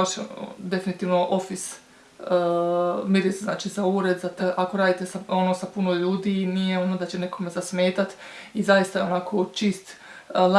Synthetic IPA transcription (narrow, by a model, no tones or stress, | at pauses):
oʃd̪e̞finit̪iːʋno̞ʔo̞fis | miɾizznaːt͡ʃizauɾe̞d̪zat̪ʔako̞ɾaːd̪it̪e̞saonosapunoʎuːd̪inijeonod̪at͡ɕe̞ne̞ko̞mezasme̞ːt̪at̪ | izajist̪ajeonakʰot͡ʃiːst̪ | l